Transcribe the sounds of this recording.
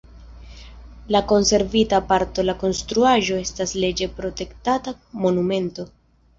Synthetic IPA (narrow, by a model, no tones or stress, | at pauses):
lako̞nse̞ɾvitapaɾto̞lako̞nstɾuaʒo̞e̞stasle̞d͡ʒe̞pɾo̞te̞ktata | mo̞nume̞nto̞